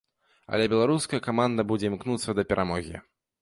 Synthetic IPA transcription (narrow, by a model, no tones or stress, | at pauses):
ɐ̰lʲɛbʲɛlˠaɾuskɐjɐkamand̪ɐbud͡zʲɛimknut̪sːɐd̪ɐpʲɛɾʔamɔɣʲḭ